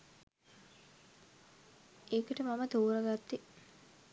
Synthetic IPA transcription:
eːkəʈəmaməd̪uːɾəɡat̪ːi

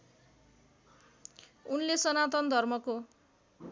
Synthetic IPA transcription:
unlesʌnat̪ʌnd̪ʱʌrmʌko

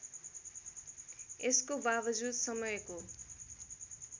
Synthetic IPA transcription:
eskobabʌd͡zud̪sʌmʌjko

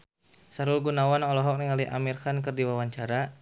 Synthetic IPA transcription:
saɾulɡunawanɔlɔɦɔk̚niŋaliʔa̰mirkankərdiwawaɲt͡ʃaɾa

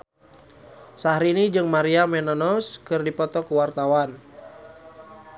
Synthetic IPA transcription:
sahɾinid͡ʒɨŋmaɾiamɛnɔnɔskɨrdipɔt̪ɔkuwart̪awan

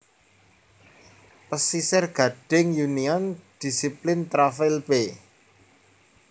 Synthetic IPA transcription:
pəsisɪrɡ̥ä̤ɖ̥ɪŋjuniɔnd̪̥i̤siplɪnt̪ɾafɪlpe

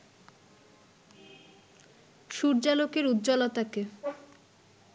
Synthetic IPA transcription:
ʃuɾd͡ʑalokeɾud̪d͡ʑɔlot̪ake

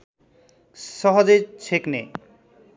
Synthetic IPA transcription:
ʃɔɦod͡ʑet͡ɕʰekne

